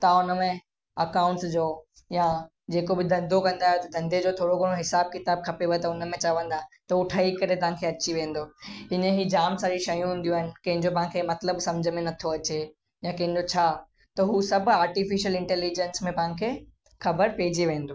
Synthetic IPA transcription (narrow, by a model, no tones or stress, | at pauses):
t̪ãʊnəmẽ | ɐkaːʊ̃ɳʈsd͡ʑoː | ja | d͡ʑeːkobɪd̪ʱɐ̃nd̪ʱokɐ̃nd̪aːɦjot̪ɐd̪ʱɐ̃nd̪ʱed͡ʑot̪ʰoːɽoɡʱoɽ̃oɦɪsaːb̚kɪt̪aːb̚kʰɐpeʋet̪ɐʊnə̆mẽt͡ɕɐʋə̃n̆d̪at̪ɐʊʈʰaːikɐɾet̪ɐʋ̤ãkʰeɐt͡ɕiʋẽːn̆d̪oɦɪnəɦid͡ʑaːmsaːɾiʃɐjũɦũːn̆d̪ijũaːɦɪnɪ̆kɐ̃ɦɪ̃ɲd͡ʑopɐ̃ɦãkʰemɐt̪ləbsɐ̃md͡ʑʱəmẽnɐt̪ʰoɐt͡ɕe | jãkɐ̃ɦɪ̃ɲ̆d͡ʑot͡ɕʰaː | t̪ɐɦusɐbʱaːɾʈifiʃəlɪ̃ɳʈɛːlid͡ʑɛnsmẽpɐɦɪ̃nkʰeː | xɐbəɾpeːɪd͡ʑiʋẽːnd̪oː